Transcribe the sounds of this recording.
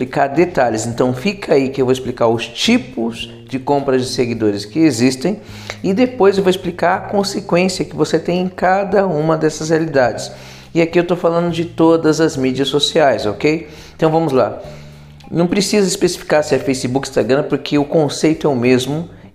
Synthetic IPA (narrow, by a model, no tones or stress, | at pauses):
plikaɾd̪et̪aʎɪzẽnt̪ɐ̃w̃fikʰɐaikɪewvoɪsplikaɾʊst͡ʃipʊz̥ | d͡ʒɪkõmpɾɐzd͡ʒɪseɡid̪oɾɪskɪezist̪ẽj̃ | ɪd̪epojzewvoɪsplikaɾɐkõsekwẽsiɐkɪvoset̪ẽj̃ẽkad̪ɐũmɐd̪ɛsɐshealid̪ad͡ʒɪs | ɪakiewt̪ofalɐ̃nd̪ʊd͡ʒɪt̪od̪ɐzɐzmid͡ʒiɐsːosiajzokej | ẽnt̪ɐ̃w̃vɐ̃mʊzla | nɐ̃w̃pɾesizɐispesi̥fi̥kaɾsɪɐfejsibukĩ̥st̪aɡɾɐ̃poɾkʰɪʊkõsejt̪ʊɛʊmezmʊ